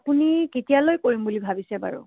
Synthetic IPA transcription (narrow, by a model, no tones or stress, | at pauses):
puniketijalojkoɹimbulibʱabisɛba̰ɹṵ